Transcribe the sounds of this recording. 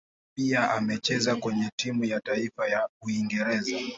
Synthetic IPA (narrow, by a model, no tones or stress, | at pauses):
piaʔamɛt͡ʃɛzakwɛɲɛtimujataifajauiŋɡɛɾɛza